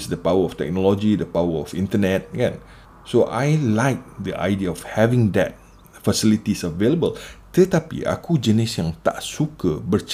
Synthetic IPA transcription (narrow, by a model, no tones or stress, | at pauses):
sdəpawəɔft̪ɛ̰k̚nɔlɔd͡ʒidəpawəɔfĩntənɛt̚ɡãn | soʔajlaɪk̚d̪əʔa̰jdiəɔfhɛvĩŋd̪ɛ̰t̚ | fəsilit̪isəveləbəlt̪ət̪apḭʔa̰kud͡ʒənisjãŋt̪a̰ʔsukəbərt͡ʃ